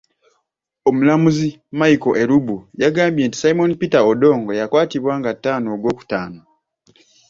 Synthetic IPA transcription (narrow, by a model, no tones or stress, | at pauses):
omulamuzi | majiko̞ʔe̞ɾubujaɡaːmbje̞ːnti̥saimo̞nipitaodo̞ːŋɡo̞jakwaːtiβwaːŋɡatːaːno̞ːɡwo̞ːku̥taːno